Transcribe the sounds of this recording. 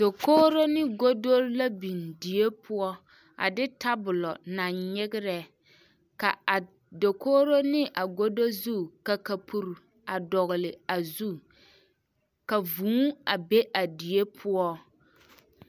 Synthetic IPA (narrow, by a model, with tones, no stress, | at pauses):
do˨koː˦ɾo˦nɪ˦ɡo˦do˦ɾla˦bi˨ndi˨e˦pʰʊ˦ɔ˦ | a̰˨dɪ˦ta˦bʊ˨lɔ˨na˨ɲɲɪ˦ɡɪ˦ɾɛ˦ | ka̰˨a˨ | do˨koː˦ɾo˦nɪ˦ʔa˨ɡo˦do˦zu˦ka˨ka˨pʰu˨ɾ | a˨dɔ˨ɣɪ˨lɪ˨a˨zu˦ | ka˨vũː˨˦a˨be˦ʔa˨di˨e˦pʰʊ˦ɔ˦